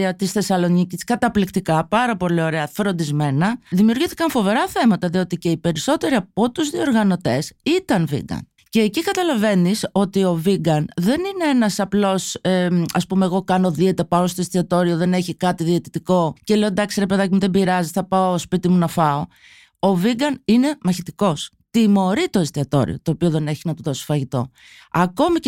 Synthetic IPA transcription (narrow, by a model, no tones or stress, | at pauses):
iɐt̪isθe̞sɐlo̞niciskɐt̪ɐplikt̪ikɐpɐɾɐpo̞lio̞ɾe̞ɐfɾo̞nd̪izme̞nɐðimiuɾɣiθi̥kɐnfo̞ve̞ɾɐθe̞mɐt̪ɐðio̞t̪ice̞ipe̞ɾiso̞t̪e̞ɾiɐpo̞t̪uzðioɾɣɐno̞t̪e̞sit̪ɐnvḭɡɐ̰n | ce̞ːcikɐt̪ɐlɐve̞niso̞t̪io̞viɡɐnðe̞nineenɐsɐplo̞seɐspume̞ːɣo̞kɐno̞ðiet̪ɐpɐost̪o̞est̪iɐt̪o̞ɾio̞ðe̞ne̞çikɐt̪iðiet̪it̪iko̞ce̞leod̪ɐksiɾe̞pe̞ðɐcimuðe̞biɾɐzisθɐpɐospit̪imunɐfɐo̞ | o̞viɡɐnine̞mɐçit̪iko̞s | t̪imo̞ɾit̪o̞est̪iɐt̪o̞̰ɾḭo̞̰t̪o̞ːpio̞ðe̞ne̞çinɐt̪uðo̞si̥fɐʝit̪o̞̰ | ɐko̞mi